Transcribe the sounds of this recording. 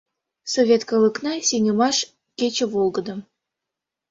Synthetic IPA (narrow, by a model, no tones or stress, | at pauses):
sovʲet̪kɤlˠɤ̆knɑsʲenʲəmɑʃ | kʲet͡ɕə̆volˠɡɤ̆d̪ɤ̆m